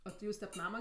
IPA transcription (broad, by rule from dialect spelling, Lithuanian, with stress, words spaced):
oː tʲɪ ˈjuːs tʲɛp ˈnɑːmɐ